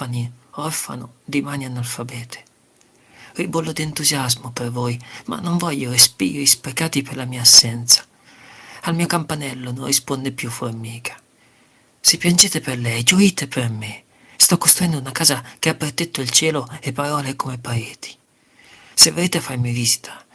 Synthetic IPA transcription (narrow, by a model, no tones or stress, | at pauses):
aniɔrfa̰no̰d̪imaːnianːalfabɛːt̪ʰe̥ | ribolːod̪ient̪uzjazmopervoːjma̰nːoɱvɔʎːorespḭːoispɾekaːt̪iperlamiːaːsːɛnt̪sḁ | almiːokampanɛlːononrːispond̪epjuformiːkʰḁ | sepːjand͡ʒeːt̪eperlɛjd͡ʒoiːt̪eperme | st̪ɔkːost̪ɾuɛnd̪ounakaːzak̟eapːɾet̪ɛt̪ːoilt͡ʃɛːloepːaɾɔːlekomepːaeːt̪ʰi̥ | sevːoleːt̪eafːarmiviːzi̥t̪ʰḁ